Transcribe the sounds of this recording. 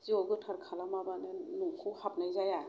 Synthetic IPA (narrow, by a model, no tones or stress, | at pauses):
z̥iɔɡɯtʰaɾkʰalamabanɯnuŋkʰɯhap̚najzaja